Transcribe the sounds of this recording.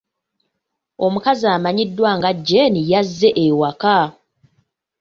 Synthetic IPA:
o̞mukazaːmaɲidːwaŋɡaɟːenijazːe̞ʔewaka

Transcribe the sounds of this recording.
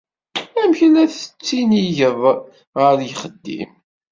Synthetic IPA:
æmçlæθət͡sːiniʝəv | ʁəɾjχəd̪ːḭm

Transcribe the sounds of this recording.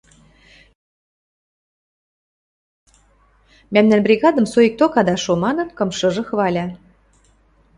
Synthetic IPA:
mæmnænbrʲiɣɑd̪ɤ̆msoik̚t̪okɑd̪ɑʃomɑnɤ̆nkɤ̆mʃɤ̆ʒɤ̆xɤ̆βɑlʲɑ

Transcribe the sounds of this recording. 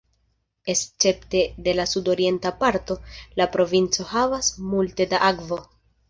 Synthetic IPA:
e̞st͡se̞pte̞de̞lasudo̞ɾie̞ntapaɾto̞lapɾo̞vint͡so̞havasmulte̞daʔakvo̞

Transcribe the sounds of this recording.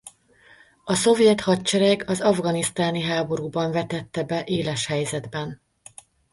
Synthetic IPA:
ɒso̞vjɛt̪hɒtt͡ʃɛɾɛɡɒzɒvɡɒnist̪aːniɦaːbo̞ɾuːbɒɱvɛt̪ɛt̪ːɛbɛʔeːlɛʃhɛjzɛd̪bɛn

